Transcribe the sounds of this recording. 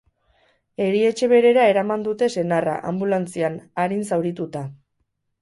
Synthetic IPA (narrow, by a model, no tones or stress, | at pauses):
e̞ɾie̞t͡ʃe̞βe̞ɾe̞ɾae̞ɾamand̪ut̪e̞se̞nara̰ʔambulant͡sianaɾinsawɾit̪ut̪a